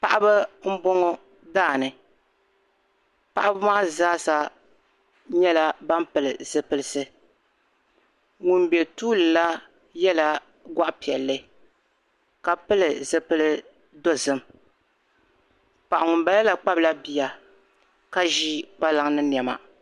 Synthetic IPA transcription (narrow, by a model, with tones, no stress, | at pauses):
pa˨ʔa˦bɨ˦m̩˦bɔ˦ŋɔ˦ | daː˦˨nɨ˨ | pa˦ʔa˦bɨ˦ma˦ʔzaː˦sa˦ | ɲɛ˦la˦ba˦mpɨ˨lɨ˨zɨ˨pɨ˦lɨ˦sɨ˦ | ŋu˨nbɛ˨tuː˦lɨ˨la˦ | jɛ˦la˦ | ɡʷa˦ʔpi˨ɛ˨lːɨ˦ | ka˨pɨ˦lɨ˨zɨ˦pɨ˦lɨ˦ | do˦zɨ˦m | pa˨ʔa˨ŋu˨mba˨lɛ˦la˨k͡pa˦bla˦bi˦ja˨ | ka˦ʒi˦k͡pa˦la˨ŋnɨ˦njɛ˨ma̰˨